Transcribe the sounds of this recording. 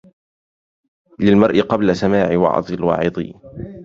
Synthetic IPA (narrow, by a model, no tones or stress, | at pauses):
lɪlmɑɾˤʔɪqɑblasamaːʕɪwɑ̰ʕd̪ˤɪlwɑ̰ːʕɪd̪ˤḭ